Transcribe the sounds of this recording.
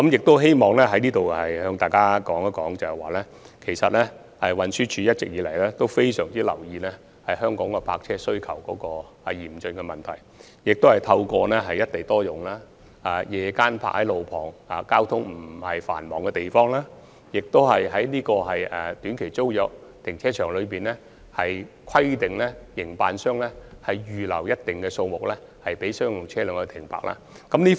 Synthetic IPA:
kɐ˨˥mjɪ˨k̚t̪o˥wɦe˥jmɔː˨˩ŋlɛː˥ɦɐ˨˥jniː˥t̪o˨whɐ˨jhœː˧ŋt̪aː˨˩jkaː˥kɔː˨˥ŋɐ˦˥kɔː˨˥ŋt͡sɐ˨˩hɛ˨˩waː˨˩lɛː˥ | kʰe˨˩jsɐ˨t̚lɛː˥ | ɛ˨wɐ˨˩nsyː˥t͡ʃʰyː˧˥jɐ˥t̚t͡sɪ˨k̚jiː˨˧lɐ˨˩jlɛː˥t̪o˥wfe˥jsœː˨˩ŋt͡siː˥lɐ˨˩wjiː˨˧nɛː˥ | hɐ˨jhœː˥ŋkɔː˨˥ŋkɔ˧pʰaː˧k̚t͡sʰɛː˥sɵ˥ɥkʰɐ˨˩wkɔː˨˧˥kɔː˧ | a˨jiː˨˩mt͡ʃɵ˧nkɛ˧mɐ˨˩nt̪ʰɐ˨˩j | jɪ˨k̚t̪o˥whɐ˨˩jt̪ʰɐ˧wkɔː˧nɛː˥ɦɐ˨jɐ˥t̚t̪e˨jt̪ɔː˥jʊ˨ŋlaː˥ | aː˨jɛː˨˧kaː˥npʰa̰ː˧˥k̚hɐ˨˥jlo˨wpʰɔ̰ː˨˩ŋaː˨˧kaː˥wt̪ʰʊ˥ŋm̩˨˩˨hɐ˨jfa̰ː˨˩nmɔː˨˥ŋkɛ˧t̪e˨jfɔː˥ŋlaː˥ | jɪ˨k̚t̪o˥whɐ˨jɦɐ˨˥jniː˥kɔː˧ɦɐ˨jɛ˨˩t̪yː˨˥nkʰe˨˩jt͡so˥wjɔː˨˥k̚t̪ʰɪ˨˩ŋt͡sʰɛː˥t͡ʃʰœː˨˩ŋlɵ˨˧ɥpiː˨nlɛ˥ | hɐ˨j | kʰɐ˥jt̪ɪ˨ŋlɛ˥jɪ˨˩ŋpaː˧nsœː˥ŋlɛ˥hɐ˨jjyː˨lɐ˨˩wjɐ˥t̚t̪ɪ˨ŋkɛː˧so˧wmʊ˨k̚lɛː˥hɐ˨jpe˨˥jsœː˥ŋjʊ˨˩ŋt͡sʰɛː˥lœː˨˧ŋɔ˧t̪ʰɪ˨˩ŋpʰa̰ː˨˩k̚ʔa̰ː˥ | kɐ˨˥mniː˥

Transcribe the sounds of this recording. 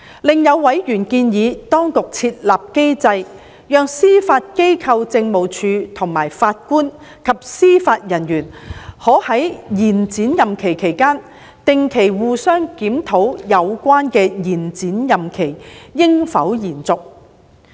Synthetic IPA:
lɪ˨ŋjɐ˨˧wːɐ˨˥jjyː˨˩nkiː˧njiː˨˧t̪ɔː˥ŋkʊ˨k̚t͡sʰiː˧t̚laː˨p̚ke˥jt͡sɐ˧j | jœː˨˧ŋsiː˥faː˧t̚ke˥jkʰɐ˧wt͡sɪ˧ŋmo˨wt͡ʃʰyː˨˧t̪ʰʊ˨˩ŋma̰ː˨˩jfaː˧t̚kuː˥n | kʰɐ˨p̚siː˥faː˧t̚jɐ˨˩njyː˨˩nhɔː˨˥hɐ˨˥jjiː˨˩nt͡siː˨˥njɐ˨mkʰe˨˩jkʰe˨˩jkaː˥n | t̪ɪ˨ŋkʰe˨˩jwuː˨˧sœː˥ŋkiː˨˥mt̪ʰo˨˥wjɐ˨˧wkʷaː˥nkɛː˧jiː˨˩nt͡siː˨˥njɐ˨mkʰe˨˩jjɪ˥ŋfɐ̰˨˥wjiː˨˩nt͡sʊ˨k̚

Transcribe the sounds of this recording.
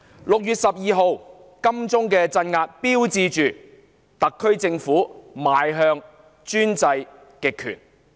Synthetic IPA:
lʊ˨k̚jyː˨t̚sɐ˨p̚jiː˨ɦo˨w | kɐ˥mt͡sʊ˥ŋkɛː˧t͡sɐ˧nŋaː˧t̚piː˥wt͡siː˧t͡ʃyː˨ | t̪ɐ˨kʰːɵ˥ɥt͡sɪ˧ŋfuː˨˥maː˨jɦœː˧ŋ | t͡ʃyː˥nt͡sɐ˧j | kɪ˨kʰːy̰ː˨˩n

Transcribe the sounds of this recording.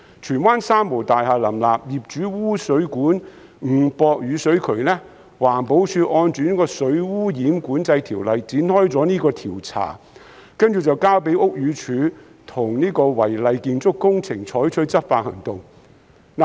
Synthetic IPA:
t͡ʃʰyː˨˩nwaː˥nsaː˥mːo˨˩wt̪aː˨jɦaː˨lɐ˨˩mlaː˨p̚jiː˨˩p̚t͡ʃyː˨˥wuː˥sɵ˨˥ɥkuː˨˥n | ŋ̩˨˩pɔː˧k̚jyː˨˧sɵ˨˥ɥkʰɵ˨˩ɥlɛː˥ | waː˨˩npo˨˥wsʰyː˧ʔɔː˧nt͡ʃyː˨˥ni˥kɔː˧sɵ˨˥ɥwuː˥jiː˨˥mkuː˨˥nt͡sɐ˧jt̪ʰiː˨˩wlɐ˨˧jt͡siː˨˥nhɔː˥jt͡sɔː˨˥niː˥kɔː˧t̪ʰiː˨˩wt͡sʰa̰ː˨˩ | kɐ˥nt͡ʃyː˨t͡sɐ˨˩wkaː˥wpe˨˥jʊ˥k̚ɥyː˨˧t͡ʃʰyː˨˥ | t̪ʰʊ˨˩ŋniː˥kɔː˧wɐ˨˩jlɐ˧jkiː˧nt͡sʊ˥kːʊ˥ŋt͡sʰɪ˨˩ŋt͡ʃʰɔː˨˥jt͡ʃʰɵ˥t͡sɐ˥t̚faː˧t̚hɐ̰˨˩ŋt̪o˨ŋ | n˨

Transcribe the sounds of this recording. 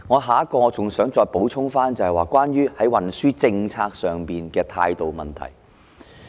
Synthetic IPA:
ŋɔː˨˧ɦaː˨˥kɔː˧t͡sʊ˨ŋsœː˨˥ŋt͡sɔː˧jpo˨˥wt͡sʰʊ˥ŋfaː˥nt͡sɐ˨˩hɛ˨jwaː˨˩kwaː˥nɥyː˥hɐ˨˥jwɐ˨˩nsyː˥t͡sɪ˧ŋt͡sʰaː˧k̚sœː˨˩ŋpiː˨nkɛː˧t̪ʰa̰ː˧jt̪o˨wmɐ̰˨˩nt̪ʰɐ̰˨˩j

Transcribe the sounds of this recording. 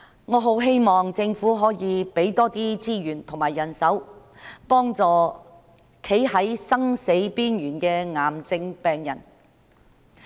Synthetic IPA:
ŋɔː˨˧ɦo˨˥wɦe˥jmɔː˨ŋt͡sɪ˧ŋfuː˨˥ɦɔː˨˥jiː˨˧pe˨˥jt̪ɔː˥t̪iː˥t͡siː˥jyː˨˩nt̪ʰʊ˨˩ŋmaː˨˩jːɐ˨˩nsɐ˨˥w | pɔː˥ŋt͡sɔː˨˧ | kʰe˨˥jhɐ˨˥jsɐ˥ŋse˨˥jpiː˥njyː˨˩nkɛː˧ŋaː˨mt͡sɪ˧ŋpɛː˨ŋjɐ̰˨˩n

